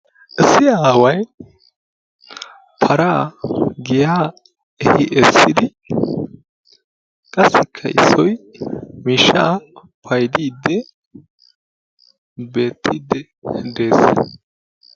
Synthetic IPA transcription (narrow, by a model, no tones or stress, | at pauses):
ʔɛsɪjawɐj | pʰɐɾaːɡɪjaː | ɛhɪʔɛsːɪd̪ɪ | kʼɐsɪkʰːɐʔɪ̰sːɔjmiːʃa | pʰɐjd̪iːd̪ːɛ | be̞ːt̪ːiːd̪ːɛ | d̪e̞ːs